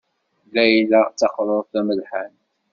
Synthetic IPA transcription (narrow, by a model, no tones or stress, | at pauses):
læjlæt͡sːɑqɾˤoɾˤθæməlħan